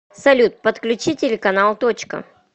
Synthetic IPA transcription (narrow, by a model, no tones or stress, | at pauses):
sɐlʲut̪̚pət̪klʲʉt͡ɕitʲɪlʲɪkɐnalˠt̪ot͡ɕkə̰